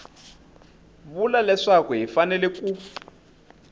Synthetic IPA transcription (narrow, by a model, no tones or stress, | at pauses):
βulalɛʂakɔɦifanɛlɛkʼu